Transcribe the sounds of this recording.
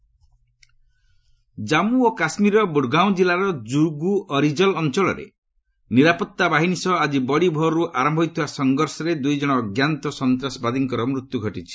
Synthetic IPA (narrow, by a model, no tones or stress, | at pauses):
d͡ʒamuokasmiɾɔbuɖɡaw̃d͡ʒilaɾɔd͡ʒuɾɡuɔɾid͡ʒɔlɔnt͡ʃɔɭɔ̰ɾḛ | niɾapɔt̪ːabaɦinisɔad͡ʒibɔɽibʱɔɾɔɾuʔaɾɔmbʱɔit̪ʰibasɔŋɡɔɾsɔɾed̪ujd͡ʒɔɽ̃ɔːɡjant̪ɔsɔnt̪ɾasɔbad̪iŋkɔɾɔmɾut̪juɡʱɔʈit͡ʃʰi̥